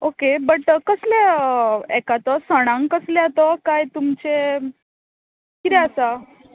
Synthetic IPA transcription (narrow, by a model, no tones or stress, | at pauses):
okebəʈkəsle | ɛkat̪ɔsəɽ̃ãŋkəsleat̪ɔkajt̪umt͡ɕe | kit̪ɛəsa